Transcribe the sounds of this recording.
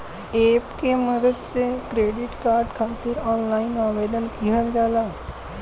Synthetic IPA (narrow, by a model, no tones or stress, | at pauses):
epkeməd̪əd̪̚t͡sekɾeɽiʈkaɾɖkʰat̪iːɾɔnlainaʋed̪ənɡiɦəld͡zala